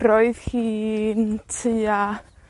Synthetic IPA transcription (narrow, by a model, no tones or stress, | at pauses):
ɾɔɨðhiːntʰia